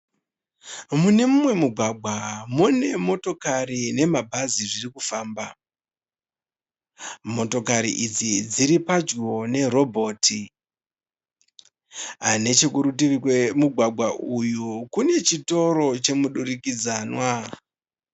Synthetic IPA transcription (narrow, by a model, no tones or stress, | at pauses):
mune̞mumwe̞muɡʱwaɡʱwamune̞mo̞to̞karine̞mabʱaziʐirikufaːmba | mo̞to̞kaɾḭʔid͡zid͡ziɾipad͡ʒiwo̞ne̞ɾo̞bʱo̞ːtʰi | ɦane̞t͡ʃe̞kuɾut̬irikwemuɡʱwaɡʱwaʔujukune̞t͡ʃito̞ɾo̞t͡ʃe̞muɗuɾikid͡zaːnwa